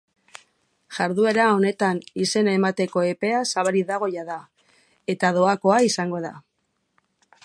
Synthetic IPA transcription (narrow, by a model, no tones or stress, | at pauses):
ʝaɾðue̞ɾao̞ne̞t̪anise̞nae̞mat̪e̞ko̞e̞pe̞asaβaɾiðaɣ̞o̞jaða | e̞t̪að̞o̞ako̞aisaŋɡo̞ð̞a̰